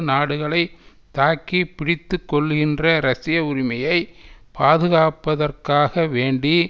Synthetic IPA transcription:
naːɽɯɣɐɭɐɪ | t̪ːaːkipːɪɽɪt̪ːɯkːɔɭɣɪndrɐɾɐsɪjɐʊɾɪmɐjɐɪpaːðɯɣaːpːɐðɐrkaːɣɐʋeːɳɖi

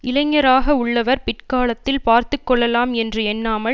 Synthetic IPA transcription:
ɪlɐŋːɐɾaːɣɐʊɭːɐʋɐɾpɪʈkaːlɐt̪ːɪlpaːɾt̪ɯkːɔɭːɐlaːmɛndrɯɛnːaːmɐɭ

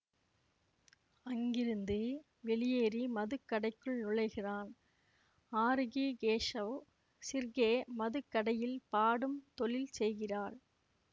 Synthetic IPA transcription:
ɐŋɡɪɾɯnd̪ɯ | ʋɛɭɪjeːɾimɐðɯkːɐɽɐɪkːɯɭnʊɻɐɪɣɪraːn | aːɾɯɣiɡeːʂɐʋ | sɪɾɣeːmɐðɯkːɐɽɐjɪlpaːɽɯmt̪ɔɭɪlsɛjɣɪraːɾ

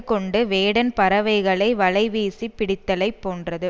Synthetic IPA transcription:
kːɔɳɖɯʋeːɽɐnpɐɾɐʋɐɪɣɐɭɐɪʋɐlɐɪʋiːsipːɪɽɪt̪ːɐlɐɪpːoːndrɐðɯ

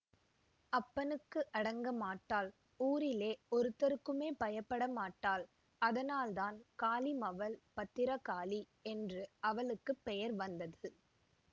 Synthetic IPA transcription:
ɐpːɐnɯkːɯʔɐɽɐŋɡɐmaːʈːaːl | uːɾɪleːɔɾɯt̪ːɐɾɯkːɯmeːpɐjɐpːɐɽɐmaːʈːaːl | ɐðɐnaːlt̪aːnkaːlimɐʋɐlpɐt̪ːɪɾɐkaːli | ɛndrɯɐʋɐɭɯkːɯpːɛjɐɾʋɐnd̪ɐðɯ

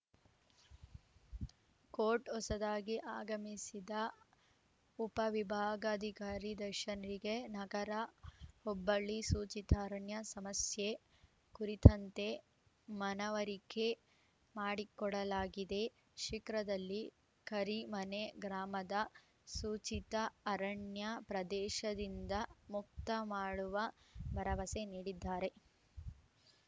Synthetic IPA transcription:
koːɾʈɔsɐd̪aːɡiʔaːɡɐmisid̪ɐ | upɐʋibʱaːɡɐːd̪ʱikaːɾid̪ɐɾʃɐnɐɾiɡenɐɡɐɾɐhɔbːɐɭːisuːt͡ʃit̪ʰaːɾɐɳjɐsɐmɐsje | kuɾit̪ɐnt̪e̞ | mɐnɐʋɐɾike̞ | maːɽikɔɽɐlaːɡid̪e̞ | ʃikɾɐd̪ɐlːi | kɐɾimɐneɡɾaːmɐd̪ɐ | suːt͡ʃit̪ɐːɾɐɳjɐpɾɐd̪ɛːʃɐd̪ind̪ɐmuk̚t̪ɐmaːɽuʋɐbɐɾɐʋɐseniːɽid̪ːaːɾe̞

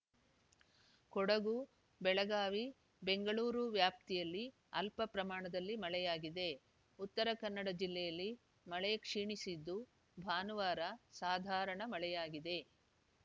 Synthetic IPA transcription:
kɔɽɐɡu | bɛɭɐɡaːʋi | beŋɡɐɭuːɾuʋjaːp̚t̪ijɐlːi | ɐlpɐpɾɐmaːɳɐd̪ɐlːimɐɭɛjaːɡid̪e̞ | ut̪ːɐɾɐkɐnːɐɽɐd͡ʒilːɛjɐlːi | mɐɭɛjɐkʂiːɳisid̪ːu | bʱaːnuʋaːɾɐsaːd̪ʱaːɾɐɳɐmɐɭɛjaːɡid̪e̞

